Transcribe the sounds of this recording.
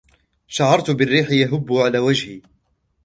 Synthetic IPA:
ʃaʕɑɾˤt̪ʊbɪrːiːħɪjaɦʊbːʊʕalaːwad͡ʒhi

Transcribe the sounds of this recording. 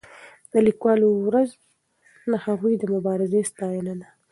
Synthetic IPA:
d̪əlikwɑːlowɾaz | nahaɣujd̪əmʊbɑɾɪzest̪ɑjɪnana

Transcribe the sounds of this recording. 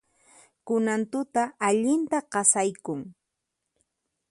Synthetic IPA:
kʊnant̪ʊt̪aːʎɪnt̪aqɑsajkʊŋ

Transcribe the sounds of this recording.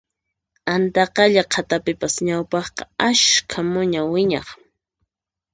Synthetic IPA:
ant̪ɑqɑʎaqʰat̪apɪpasɲawpɑχqɑaʃkʰamʊɲawɪɲɑ̰χ

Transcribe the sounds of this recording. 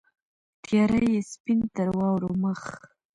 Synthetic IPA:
t̪jɑɾəjespint̪əɾwɑwɾoməx

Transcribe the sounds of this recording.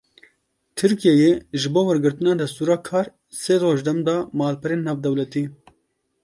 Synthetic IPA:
t̪ʰɨɾkijɛjeːʒɨboːwɛɾɡɨɾt̪ɨnɑːd̪ɛst̪uːɾɑːkʰɑːɾ | seːɾoːʒd̪ɛmd̪ɑːmɑːlpɛɾeːnːɑːvd̪ɛwlɛt̪iː

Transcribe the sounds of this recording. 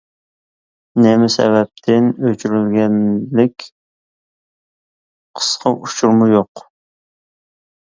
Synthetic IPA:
nemɪsɛ̰vɛp̚t̪ʰɪnøt͡ʃʰyɾylɡʲɛnlɪkʲ | qʰə̥sqʰɑʔut͡ʃʰuɾmʊjoq

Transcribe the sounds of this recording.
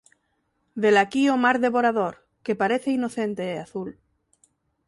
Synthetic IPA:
ðelakiomaɾðeβoɾaðoɾ | kepaɾeθeinoθent̪eːaθul

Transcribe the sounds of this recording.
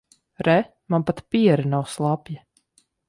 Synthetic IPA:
ɾɛ | manpat̪piɛɾɨnawslˠapja

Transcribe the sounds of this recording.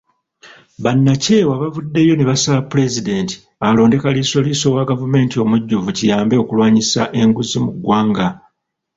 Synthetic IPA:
βanːace̞waβavudːe̞jo̞neβasaapule̞zide̞ːnti̥ | alo̞ːnde̞kaliso̞liso̞waɡavume̞ːntio̞muɟːuvucijaːmbe̞okulwaːɲisaʔe̞ŋɡuzimuɡwaːŋɡa

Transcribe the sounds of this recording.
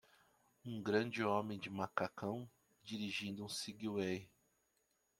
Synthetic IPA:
ũɡɾɐ̃d͡ʒɪomẽj̃d͡ʒɪmakakɐ̃w̃ | d͡ʒiɾiʒĩnd̪ʊũsiɡiwej

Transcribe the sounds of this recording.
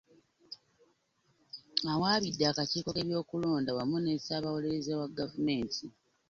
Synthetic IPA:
awaːβidːaːkaciːko̞ke̞βjo̞ːkulo̞ːndawamunesaːβawole̞ɾezawaɡavume̞ːntʰi

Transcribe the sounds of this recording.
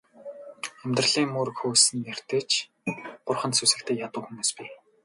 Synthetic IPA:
æmʲt̪rə̆ɮiːŋmuːɾ̆kxuːsɘ̆njær̥t̪ɘ̆t͡ɕʰ | ɢ̥ʊrχə̆t̪susɘ̆k̚t̪ʰeːjat̪ʊ̆ːxumuːspiː

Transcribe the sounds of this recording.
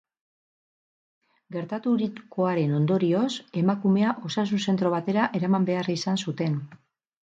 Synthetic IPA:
ɡe̞ɾt̪at̪uɾiko̞aɾe̞no̞nd̪o̞ɾio̞se̞makume̞aʔo̞sas̬unse̞nt̪ɾo̞βat̪e̞ɾaʔe̞ɾamambe̞arisansut̪e̞n

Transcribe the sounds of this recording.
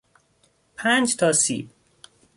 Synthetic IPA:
pʰænd͡ʒt̪ʰɒːsḭːb

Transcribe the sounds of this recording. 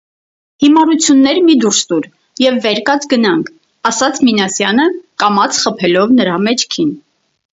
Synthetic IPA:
himɑɾut͡sʰjunːɛɾmid̪uɾst̪uɾ | jɛvːɛɾkɑt͡sɡənɑŋkʰ | ɑsɑt͡sʰminɑsjɑnəkɑmɑt͡sʰχəpʰɛlɔvnəɾɑmɛt͡ʃʰkʰin

